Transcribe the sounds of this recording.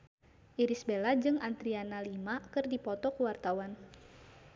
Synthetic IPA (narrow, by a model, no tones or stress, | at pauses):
ʔiɾisbelad͡ʒɨŋant̪ɾianalimakɨrdipɔt̪ɔkəwart̪awan